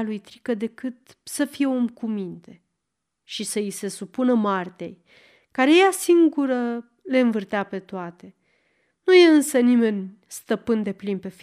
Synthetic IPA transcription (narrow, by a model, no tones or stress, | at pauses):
alujt̪ɾikəd̪e̞kɨt̪səfije̞omkumint̪e̞ | ʃisəise̞supunəmart̪e̞̰j | kaɾejasiŋɡuɾə | le̞ɨnvɨrt̪eape̞t̪oat̪e̞ | nuje̞ɨnsənime̞nʲ | st̪əpɨnd̪e̞plinpe̞f